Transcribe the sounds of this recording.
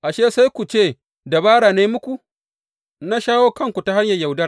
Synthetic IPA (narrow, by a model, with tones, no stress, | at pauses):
ʔa˨ʃeː˦sa˦jkʷu˨t͡ʃeː˦˨ | da˨baː˦ɽaː˨neː˦mʊ˦kʷu˨ | na˦ʃaː˦woː˦kɐ˦˨ŋkʷu˨ta˦ɦa˦ɲjɐ˨ja˨wdɐ˦r